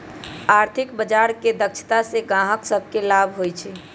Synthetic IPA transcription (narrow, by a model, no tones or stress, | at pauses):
aɾt̪ʰɪkbəd͡ʒaɾked̪əkt͡ʃʰt̪aseɡãɦəksəb̚ʱkelabʱɦojt͡ʃʰɛ